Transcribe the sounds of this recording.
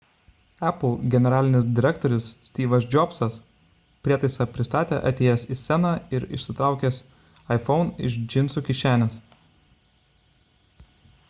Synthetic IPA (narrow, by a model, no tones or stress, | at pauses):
æplˠɡʲɛnʲɛɾɑːlʲɪnʲɪsd̪ʲɪɾʲɛkt̪ɔɾʲʊsːʲt̪ʲiːʋɐs̬d͡ʒʲɔpsɐs | pʲɾʲiɛt̪ɐɪsɑpʲɾʲɪst̪ɑːt̪ʲḛːʔɐt̪ʲeːjɛsisʲɛnɑɪɾɪ̰ʃʲsʲɪt̪ɾɑˑʊkʲɛːs | ɐɪfɔʊnɪ̰ʃd͡ʒʲɪnʲˑsuːkʲɪʃʲæːnʲɛs